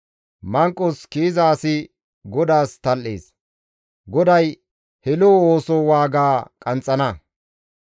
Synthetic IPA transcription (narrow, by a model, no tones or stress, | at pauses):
mɐŋkʼːɔskiːzaːsɪ | ɡɔd̪aːst̪ɐlʔḛːs | ɡɔd̪ɐj | hɛloːoːsoːwaːɡaːkʼɐnt͡sʼːɐnɐ